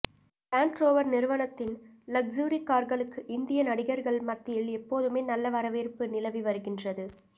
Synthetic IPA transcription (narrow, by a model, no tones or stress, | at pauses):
paːnʈɾoːʋɐɾnɪɾɯʋɐɳɐt̪ːɪnlɐɡ̚d͡ʒuːɾikːaːɾɣɐɭɯkːɯʔɪnd̪ɪjɐnɐɽɪɣɐɾɣɐɭmɐt̪ːɪjɪlɛpːoːðɯmeːnɐlːɐʋɐɾɐʋeːɾpɯnɪlɐʋiʋɐɾɯɣɪndrɐðɯ